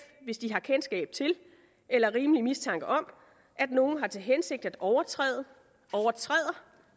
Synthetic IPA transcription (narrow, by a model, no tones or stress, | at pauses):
ʋe̝sd̥iɦɑ̈kʰensɡ̥ɛ̰ːb̥̚t͡sʰe̝l | ʔelɐʁiːməlimist͡sʰɑ̈ŋ̰ɡ̥əʔɒ̽m | ʔæd̥no̝ːn̩ɦɑ̈t͡sʰe̝ɦense̝ɡ̥̚d̥æd̥ʊɐ | ɒʊɐt͡sʰʁɛːð̞̰ˠɐ